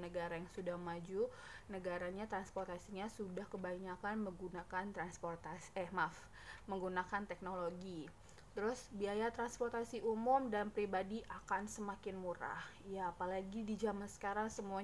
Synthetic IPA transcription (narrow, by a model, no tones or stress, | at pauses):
nəɡaɾajaŋsudahmad͡ʒu | nəɡaɾaɲat̪ɾanspɔrt̪asiɲasudahkəbaɲakanməŋɡunakant̪ɾansport̪asɛmaf | məŋɡunakant̪ɛk̚noloɡi | t̪əɾʊsbiajat̪ɾanspɔrt̪asiʔumʊmdalnmpɾibadiʔakansəmakɪnmuɾa̰hjaːpalaɡidid͡ʒamansə̥kaɾaŋsəmua